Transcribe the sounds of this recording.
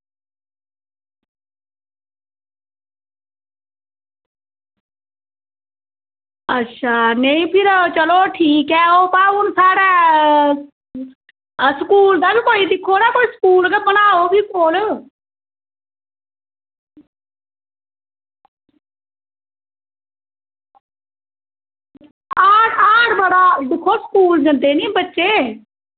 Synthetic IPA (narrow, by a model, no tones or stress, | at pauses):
ətːʃʰaːneĩpʰɪɾt͡ʃəloːʈʰiːkɛopaʊnsaːɽɛ | skuːld̪aːbʱikoːid̪ɪkʰːoɾakoːiskuːlkabənaːobʱikoːl | aːɽaːɽbəɽad̪ɪkʰːoskuːld͡ʒɐ̃nd̪enĩbətːʃeː